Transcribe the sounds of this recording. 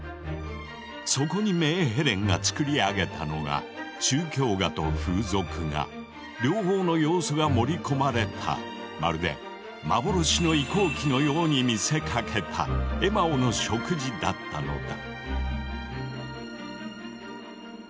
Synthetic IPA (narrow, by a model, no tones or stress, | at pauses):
so̞ko̞ɲ̟ime̞ːɦeɾẽ̞ŋɡa̰t͡sɨ̥kɯ̟ɾʲiaɡe̞t̪ano̞̰ɡa̰t͡ɕɨːkʲo̞ːɡat̪o̞̰ɸɯːzo̞kɯ̟ŋa̰ | ɾʲo̞ːho̞ːno̞jo̞ːsoɡamo̞ɾʲiko̞maɾe̞t̪ʰa̰ | ma̰ɾɯ̟d̪ẽ̞̰ | ma̰bo̞ɾo̞ɕino̞iko̞ːkʲino̞jo̞ːɲ̟imʲise̞kʰakʰe̞t̪ʰa̰e̞maono̞ɕo̞kɯ̟ʑid̪at̪ːano̞̰d̪a